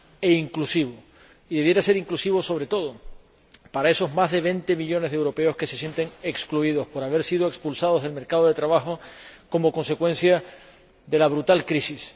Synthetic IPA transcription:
e̞iŋklusiβ̞o | iðeβje̞ɾase̞ɾiŋklusiβo̞so̞β̞ɾe̞t̪o̞ð̞o | paɾae̞so̞zmaɦðe̞β̞e̞nt̪e̞miʎo̞nezðe̞wɾo̞pe̞o̞ske̞se̞sje̞nt̪e̞ŋe̞kskluiðo̞hpo̞ɾaβ̞e̞ɾsið̞o̞ekspulsað̞oðe̞lme̞ɾkaðo̞ð̞e̞t̪ɾaβaxo̞ko̞mo̞ko̞nse̞kwẽ̞n̟θja | ðe̞laβɾut̪alkɾisis

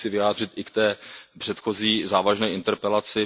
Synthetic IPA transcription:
t͡sɪvɪjaːd̪r̝ɪt̪ʔɪkt̪ɛːpr̥ɛt̪xo̞ziːzaːvaʒnɛːʔɪnt̪ɛɾpɛlat͡sɪ

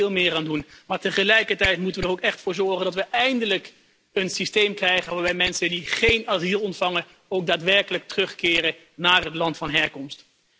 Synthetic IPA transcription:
ɪːlˠmɪːraːndunmaːɹtəχəlɛjkəɹtɛjtmutənʋədərowkɛχtfʊːɹzɔɹχəndɑtʋəʔɛjndələk | ənsistejmkrɛjχənʋaːɹbɛjmɛnsədiχejnaːzilˠɔntfɑŋə | owɡ̚daːtʋɛɹkələk̚tərɵχkɪːrə | naːrɦətlɑntfɑnɦɛɹkɔmst

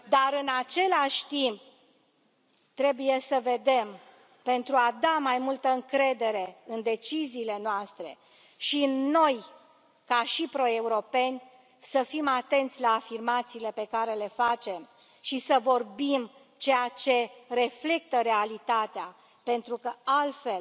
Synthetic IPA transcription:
d̪aɾɨnat͡ʃe̞laʃʲt̪imp̚ | t̪ɾe̞buje̞səve̞d̪e̞m | pe̞nt̪ɾuad̪amajmult̪əɨŋkɾe̞d̪e̞ɾe̞ɨnd̪e̞t͡ʃiziːle̞noast̪ɾe̞̰ | ʃinnːo̞j | kaʃipɾo̞e̞uɾo̞pe̞nʲ | səfimat̪e̞nt̪sʲlaːfirmat̪siːle̞pe̞kaɾe̞le̞fat͡ʃem | ʃisəvo̞rbim | t͡ʃe̞jat͡ʃe̞re̞fle̞k̚t̪əɾe̞alit̪at̪ea | pe̞nt̪ɾukəalt̪fe̞l

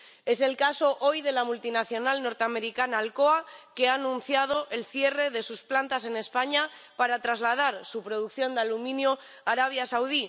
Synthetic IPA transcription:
e̞se̞lkaso̞ʔo̞jðe̞lamult̪inaθjo̞nalno̞ɾt̪eame̞ɾikanaːlkoake̞aːnũn̟θjað̞o̞ʔe̞lθje̞re̞ðe̞susplant̪ase̞ne̞spaɲa | paɾat̪ɾazlað̞aɾsupɾo̞ð̞uk̚θjo̞nd̪alumĩnjo | aɾaβ̞jasawð̞i

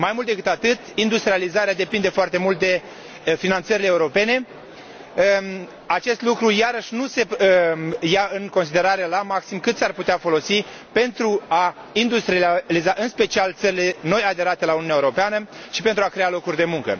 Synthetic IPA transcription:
majmult̪d̪e̞kɨt̪at̪ɨt̪ind̪ust̪ɾializaɾead̪e̞pind̪e̞foart̪e̞mult̪̚d̪e̞ | finant̪səɾileːuɾo̞pe̞ne̞ | at͡ʃe̞st̪lukɾujaɾəʃʲnuse̞ | jaɨŋko̞ns̬id̪e̞ɾaɾe̞lamaksimkɨt̪searput̪eafo̞lo̞si | pe̞nt̪ɾua | ind̪ust̪ɾializaʔɨnspe̞t͡ʃialt̪səɾile̞no̞jad̪e̞ɾat̪e̞laununjaeuɾopeanəʃi̥pe̞nt̪ɾuakɾe̞alo̞kurʲd̪e̞muŋkə̰

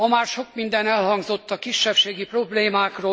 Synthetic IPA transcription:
ɒmaːrʃo̞kmind̪ɛnɛlhɒŋɡzo̞t̪ːɒkiʃːɛpʃeːɡipro̞bleːmaːkroː

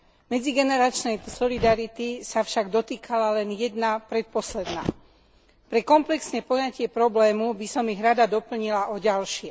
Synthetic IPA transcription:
mɛd͡ziɡɛnɛɾat͡ʃnɛjsɔlid̪aɾit̪isafʃaɡd̪ɔt̪iːkalalɛnjɛd̪napɾɛt̪̚pɔslɛd̪na̰ː | pɾɛkɔmplɛksɲɛpɔjacɪɛpɾɔblɛːmubisɔmiɣɾad̪ad̪ɔpl̩ɲilaʔɔɟalʃɪɛ

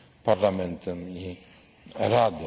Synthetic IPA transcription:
paɾlamɛnt̪ɨmi | ɾad̪ɨ

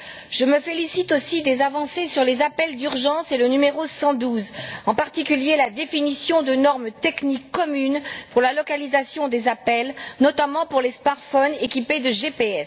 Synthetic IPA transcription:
ʒ̥əməfelisit̪osid̪ezavɑ̃sesyʁlezapɛld̪yʁʒɑ̃selənymeʁosɑ̃d̪uzɑ̃paʁt̪ikʲyljelad̪efinisjɔ̃d̪ənɔʁmt̪ɛknikːɔmynpuʁlalɔkalizasjɔ̃d̪ezapɛlnɔt̪amɑ̃puʁlesmaʁt̪fɔnekʲiped̪əʒepeɛs

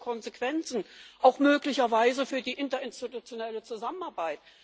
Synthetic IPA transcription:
kʰɔnzekv̥ɛnt͡sn̩ʔaʊxmøːklɪçɐvaɪzəfyːɐdiːʔɪntɐɪnstitut͡sjonɛlət͡suzamənaɐbaɪt

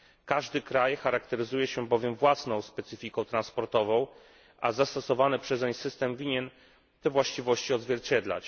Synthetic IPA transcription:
kaʐd̪ɘkɾajxaɾakt̪ɛɾɘzujɛɕɛbɔvʲjɛmvwasnɔ̃w̃spɛt̪sɘfʲikɔ̃w̃t̪ɾanspɔɾt̪ɔvɔ̃w̃ | ʔazast̪ɔsɔvanɛpʂɛzɛɲsɘst̪ɛmvʲiɲɛn | t̪ɛvwaɕt͡ɕivɔɕt͡ɕiɔd̪zvʲjɛɾt͡ɕɛd̪la̰t͡ɕ

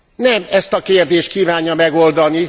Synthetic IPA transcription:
nɛmɛst̪ɒkeːrd̪eːʃt̪̚kiːvaːɲjɒmɛɡo̞ld̪ɒni

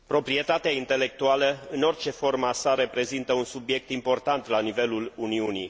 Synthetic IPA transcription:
pɾo̞pɾie̞t̪at̪eaint̪e̞le̞k̚t̪ualəɨno̞rt͡ʃe̞fo̞rməasaɾe̞pɾe̞zint̪əunsubje̞k̚t̪impo̞rt̪ant̪lanive̞luluniunij

